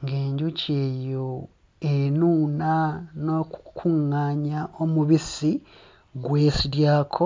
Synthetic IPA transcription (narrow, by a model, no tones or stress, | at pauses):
ŋɡeːɲɟucʰe̞ːjo̞ | enuːnanokukʰuŋaːɲaʔo̞muβisi | ɡwe̞ːsiɾjaːkʰo